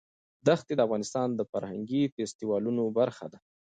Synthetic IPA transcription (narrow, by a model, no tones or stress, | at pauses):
d̪axt̪ed̪əafɣɑnɪst̪ɑnd̪əfaɾhaŋɡifest̪iwɑlunobaɾxa̰d̪a